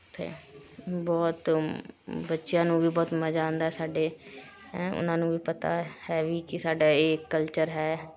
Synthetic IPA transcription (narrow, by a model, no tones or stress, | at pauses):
pʰɪ̰ɾbɔːt̪ | bətːʃjãːnũːbiːbɔːt̪məd͡ʒãːʊ̃nd̪aːɛːsaːɖeː | ʊ̰nãːnũːʋiːpət̪a̰ːhɛːʋiːkɪsaːɖaːeːkːəlt͡ʃəɾɦɛː